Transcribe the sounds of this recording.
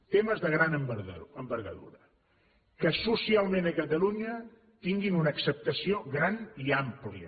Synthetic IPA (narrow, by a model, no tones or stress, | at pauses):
t̪eməzðəɣɾanəmbəɾəmbəɾɣə̰ðṵɾə | kəsusialˠmẽnəkət̪əluɲə | t̪iŋɡinunəːksəp̚t̪əsioɣɾaniamplḭə̰